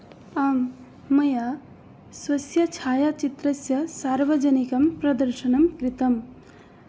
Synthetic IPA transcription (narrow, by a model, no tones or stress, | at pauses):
aːmː | ɐja | swɐsjɐt͡ʃʰaːjat͡ʃit̪ɾɐsjɐsaːɾʋɐd͡ʒɐnikɐmpɾɐd̪ɐɾʃɐnɐmkɾɪt̪ɐm